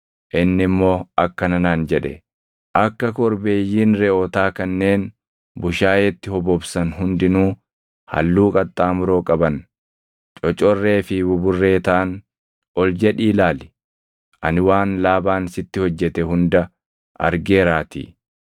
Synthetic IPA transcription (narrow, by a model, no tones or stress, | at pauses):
ʔɪnːɪmːo̞ːɐkːɐnɐnaːnd͡ʒɛᶑɛ̰ | ʔɐkːɐkɔɾbe̞ːjːiːnɾɛʔɔt̪aːkɐnːe̞ːn | bʊʃaːjɛt̪ːɪhɔbɔbsɐnɦʊnd̪ɪnuː | hɐ̰lːuːkʼɐt̪ʼːaːmʊɾo̞ːkʼɐbɐn | t͡ʃʼɔt͡ʃʼɔrːe̞ːfɪbʊbʊrːe̞ːt̪ɐʔɐn | ʔɔld͡ʒɐᶑiːlaːlɪ̥ | ʔɐnɪwaːnlaːbaːnsɪt̪ːɪhɔd͡ʒːɛt̪ɛɦʊnd̪ɐ | ʔɐ̰ɾɡeːɾaːt̪ḭː